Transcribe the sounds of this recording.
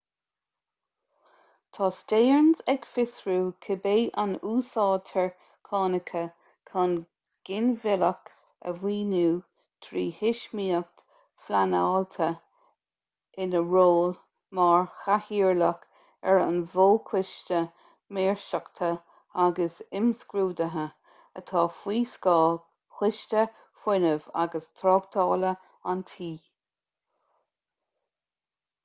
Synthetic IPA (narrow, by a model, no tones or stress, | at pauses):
t̪ʰɑːsteːɹnzɛɡ̥fɪsɹuːkʰəbeːʔanuːsɑːt̪ʰɛɹ | kʰɑːnəkʰə | kʰɑn | ɡ̥ɪnvɪlək | ə̰viːnuː | t̪ʰɾiːhɪʃmiːək̚t | flanaːlt̪ʰə | ɪnəɹoːl | mɑːɹxahiːɹlək | ɛɹə̰nvoːkʰwɪʃtə | meːɹʃəkt̪ʰə | aɡəsɪmskɾuːd̪əɦə | ət̪ʰɑːfwiːskɑː | xwɪʃtə | fwɪnəva̰ɡəst̪ʰɾɔːɡt̪ʰɑːlə | ant̪ʰiː